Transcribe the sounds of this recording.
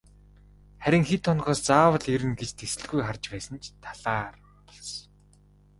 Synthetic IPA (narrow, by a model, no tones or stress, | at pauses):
χæɾʲɪ̆ŋxit̪ʰːɔnɢɔːst͡saːwə̆ɮeɾɘ̆nɡet͡ɕt̪ʰesɘ̆ɮɣujχart͡ɕpæːsə̆nt͡ɕt̪ʰaɮaːr | tɞ̆ɮs